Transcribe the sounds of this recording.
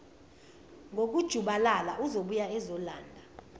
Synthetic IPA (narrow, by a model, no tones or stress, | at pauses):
ŋʱok̬ud̥ʒ̥ʱuɓalalaʔuzoɓujaɛzɔlaːndʱa